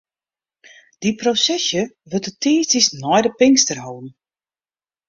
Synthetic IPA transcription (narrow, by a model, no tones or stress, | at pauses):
d̥iprosɛsjə | ʋɵtətʰiːstisnɔjdəpɪŋstərɦoːn